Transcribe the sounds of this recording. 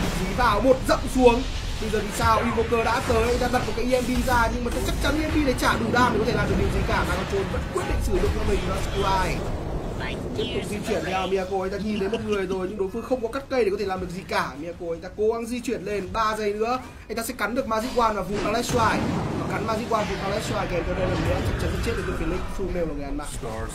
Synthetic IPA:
vi˨˦vaː˨˩wmo˨˩t̚zə̰˧˨wŋ͡msu˨˦əŋ | ɓə˧zəː˨˩t̪ʰi˨˩saː˧wʔwi˧vo˧kəː˧ɗa̰ː˧˥t̪əː˨˦jʔa˧jŋ̟t̪aː˧ɓa˨˩t̚mo˨˩ka˨˦ʔi˧ʔɛ˧mɓi˧zaː˧ɲɨ˧ŋo˨˩kə˧˦t͡ɕa˦˥k̚t͡ɕa˨˦nʔi˧ɛ˧mɓi˧ɗe˨˦jt͡ɕaː˧˩ɗʊ˨˩ŋ͡mɗaː˨˩mɗe˨˩kɔ˨˦t̪ʰe˧˩laː˨˩˨ɨ˨˩ɗɨ˨˩ŋzi˨˩kaː˧˩zaː˨˩mɔ˨˩t͡ɕo˨˩nvə˦˥t̚kwi˦˥ət̚ɗḭ˧˨ŋsɨ˧˩ɨ̰˧˨ŋ͡mt͡ɕɔ˧mï˨˩ŋ˨˩laː˧˩sku˧aː˧˩j | t̪i˦˥p̚t̪ʊ˨˩k͡p̚zi˧t͡ɕwi˧˩ənɗa˨˩mi˧ʔa˧ko˧ʔj̟t̪aː˧ɲi˨˩nt̪e˨˦mo˨˩t̚ŋɨ˨˩əjzo˨˩jɲɨ˧ŋɗo˨˦jfɨ˧˦ŋxə˧wŋ͡mkɔ˨˦ka˦˥t̚kə˧jɗkɔ˨˦t̪ʰe˧˩aː˨˩mɗɨ˨˩əzi˨˩kaː˧˩mi˧˨aː˧ko˧ʔa˧˩jŋt̪aː˧ko˨˦ɣa˨˧˦nzi˧t͡ɕwi˧˩ənle˧nɓaː˧zə˨˩jnɨ̰˧˥ə | ʔa˨jŋt̪aː˧sɛ˧˥ka˨˦nɗɨ˨˩ək̚maː˧zḭ˧˥kwaː˧nmaː˨˩vṵ˨pa˧lɛ˦˥saː˧jvaː˨˩ka˨˦nmaː˧zḭ˧˥kwaː˧nvu˨˩pa˧lɛ˦˥saː˧jkɛ˨˦kɗə˧jla˨˩˨ɨ̰˧˦ə˦t͡ɕa˦˥k̚t͡ɕa˨˦n̚˧˦t͡ɕe˦˥əː˨˦˧flḭ˧˨ŋ˨fu˧mɛ˧wkːŋ˨˩ja˧ma̰ː˧˥˨

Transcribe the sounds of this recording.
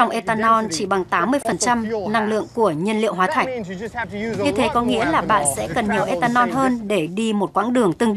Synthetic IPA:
a˧wŋ͡mʔe˧t̪aː˧nɔ˧nt͡ɕi˧˩ɓa˨˩ŋt̪aː˨˦mːɨ˧əjfə˨˩nt͡ɕa˧mna˧ŋlɨ̰˧˨əŋku˧˩əɲi˧ənlḭ˧˨əwɦwaː˨˦t̪ʰa˨˩jk̟̚ | ɲɨ˧t̪ʰe˨˦kɔ˨˦ŋḭ˧˥əlaː˨˩ɓa̰ː˧˨nsɛ̰˧˥kə˨˩nɲi˨˩əwʔe˧t̪aː˧nɔ˧nɦəː˧nɗe˧˩ɗi˧mo˨˩t̚kwa̰ː˧˥ŋɗɨ˨˩əŋt̪ɨ˨˧˩ŋ

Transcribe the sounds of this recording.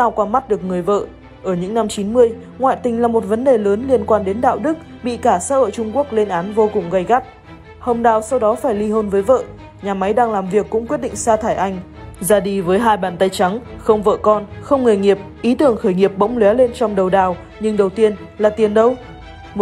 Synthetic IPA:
t̪aː˧wkwaː˧ma˦˥t̚ɗɨ˨˩ək̚ŋɨ˨˩əjvə̰ː˧˨ | ʔəː˧˩ɲɨ̰˧˥ŋna˧mt͡ɕi˨˦nmɨ˧əj | ŋwa̰ː˧˨jt̪ï˨˩ŋ̟laː˨˩mo˨˩t̚və˨˦nɗe˨˩ləː˨˦nli˧ənkwaː˧nɗe˨˦nɗa̰ː˧˨wɗɨ˦˥k̚ɓḭ˧˨kaː˧˩sə̰ː˧˥ə̰ː˧˨jt͡ɕʊ˧ŋ͡mku˦˥ək̚le˧nʔaː˨˦nvo˧kʊ˨˩ŋ͡mɣa˧jɣa˦˥p̚ | ho˧mɗaː˨˩wsa˧wɗɔ˨˦faː˧˩jli˧ɦə˧nvəː˨˦jvə̰ː˧˨ | ɲaː˨˩ma˨˦jɗaː˧ŋlaː˨˩mvi˨˩əkːʊ̰˧˥kwət̚ɗḭ˧˨ŋ̟saː˧t̪ʰaː˧˩jʔa˧jŋ̟ | zaː˧ɗi˧vəː˨˦jɦaː˧jɓaː˧˩nt̪ə˧jt͡ɕa˨˦ŋxə˧wŋ͡mvə̰ː˧˨kɔ˧nxə˧wŋ͡mŋɨ˨˩əjŋi˨˩əp̚ʔi˨˦t̪ɨ˧˩əŋxəː˧˩jŋi˨˩əp̚ɓə̰˧˥wŋ͡mlwɛ˨˦le˧nt͡ɕɔ˧wŋ͡mɗə˨˩wɗaː˨˩w | ɲɨ˧ŋɗə˨˩wt̪i˧ənlaː˨˩t̪i˨˩ənɗə˨˧w

